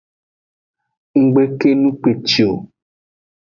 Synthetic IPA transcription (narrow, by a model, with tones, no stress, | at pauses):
ŋ̩˦ɡ͡be˦ke˦nũ˦k͡pe˨t͡ʃi˨o˨